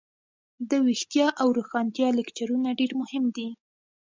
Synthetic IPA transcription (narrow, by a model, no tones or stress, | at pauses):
d̪əwixt̪jɑʔawɾoxɑnt̪jɑlɪkt͡ʃaɾunaɖeɾmʊhɪmd̪i